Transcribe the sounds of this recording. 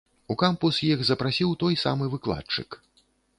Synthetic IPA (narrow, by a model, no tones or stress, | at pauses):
ukampusjixzɐpɾasʲiwt̪ɔjsa̰mɨvɨklˠa̰t͡ʂɨ̰k